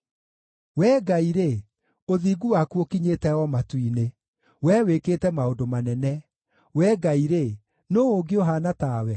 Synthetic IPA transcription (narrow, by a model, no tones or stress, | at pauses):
wɛːɡaiɾe | oðiɡuwakuokiɲetɛɔmatwine | wɛwekeːtɛmaondomanɛnɛ | wɛːɡaiɾe | noːoɡeoɦaːnataːwɛ